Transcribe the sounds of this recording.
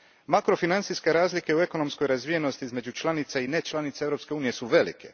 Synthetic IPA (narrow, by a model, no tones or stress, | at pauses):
makɾo̞finant̪siske̞ɾaːzlikeue̞ko̞no̞msko̞jɾazʋije̞no̞st̪iizme̞d͡ʑut͡ʃlˠanit̪sainet͡ʃlˠanit̪seevɾopske̞uːnije̞suʋe̞lḭkʰe̞̰